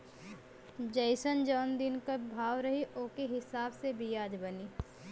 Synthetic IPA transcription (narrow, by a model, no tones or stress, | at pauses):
d͡ʒɐɪsənd͡ʒɔːnd̪ɪnkabʱaːʋɾɐɦiʔoːkeɦɪsaːbsebʱijaːd͡ʒbɐniː